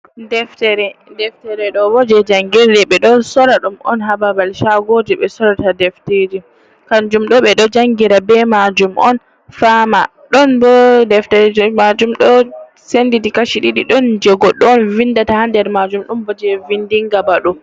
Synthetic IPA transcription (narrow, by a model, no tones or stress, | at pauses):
dɛftɛɾɛdɛftɛɾɛɗɔbɔd͡ʒɛd͡ʒaŋɡiɾdɛɓɛɗɔsɔɾaɗumɔ̰nɦababalʃaɡodiɓɛsɔɾatadɛfted͡ʒi | kand͡ʒumɗɔɓɛɗɔd͡ʒaŋɡiɾabɛmad͡ʒumʔɔ̰n | fama | ɗɔnbɔdɛftɛɾɛd͡ʒmad͡ʒumɗɔ | sendidikaʃiɗiɗiɗɔnd͡ʒɛɡɔɗɔːnvindatahandɛɾmad͡ʒumɗumbɔd͡ʒɛvindiŋɡabaɗu